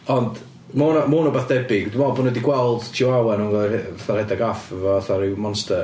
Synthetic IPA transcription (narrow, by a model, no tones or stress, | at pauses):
ɔnd | moːnɔmuːnɔbaθd̥ɛbɪɡdimɔlˠbʊnədiɡwɛlˠd̥tʰiwawɛnunɡɔaθarhɛdaɡafɛvɔaθaɾɪwmɔnstə